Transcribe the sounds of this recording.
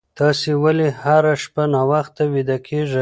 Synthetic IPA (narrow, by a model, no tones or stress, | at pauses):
t̪ɑsewalehaɾaʃpanɑwaxt̪ːawid̪akʰeʐa